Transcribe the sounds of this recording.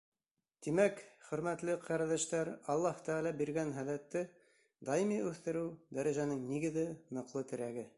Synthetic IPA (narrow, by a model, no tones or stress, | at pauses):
t̪imækχɵ̆ɾmæt̪lɘqʰæɾæðæʃt̪æɾɑlˠːɑht̪æʁɑlɑbiɾɡænɦæðæt̪ːɘ | d̪ɑjimiʉθt̪ɘ̆ɾɘwd̪æɾæʒænɘŋniɡɘ̆ðɘnŏqlˠɤt̪ɘ̆ɾæɡɘ